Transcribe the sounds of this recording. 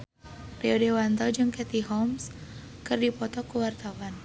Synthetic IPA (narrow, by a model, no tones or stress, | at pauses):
reodewant̪ɔd͡ʒɨŋkɛt̪iɦɔms | kɨrdipɔt̪ɔkəwart̪awan